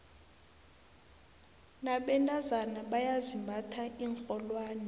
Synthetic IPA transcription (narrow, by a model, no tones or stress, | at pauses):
naɓɛntʼazanaɓajazimbʱatʰaʔiːŋkʰʼɔlwaːnɛ